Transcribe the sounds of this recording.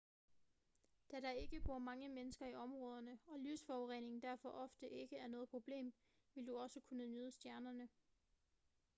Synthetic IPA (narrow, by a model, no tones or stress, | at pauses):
d̥æɾ̥ɑ̈e̝ɡ̥əb̥o̝ɐ̰mɑ̈ŋəmenəsɡ̥ɐiɒ̽mʁɔ̽ːð̞ˠɐnəɒ̽lysfɒʁḛne̝ŋn̩d̥æɐfɒ̽ʔɒ̽fd̥əʔe̝ɡ̥əæɐnɔ̽ːð̞̩ˠpʰʁo̝b̥le̝̰ːm | ʋe̝ld̥uɒ̽səkʰunənyːð̞ˠəsd̥jæɐnɐnə